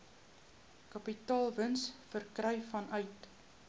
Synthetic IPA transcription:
kɐpitɑːlˠvənsfərkrɛjfɐnœɥt

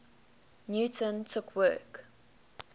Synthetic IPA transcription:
njuːtə̃ntʰʊkʰwɜ̰ːk

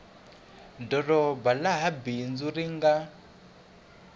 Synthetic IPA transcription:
dɔrɔbalaɦabind͡zuɾiŋɡa

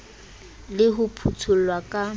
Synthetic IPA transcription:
lɪɦʊpʰut͡sʰʊl̩lwakʼa

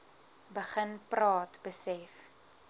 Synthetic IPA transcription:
bəχənprɑːtbəsɛf

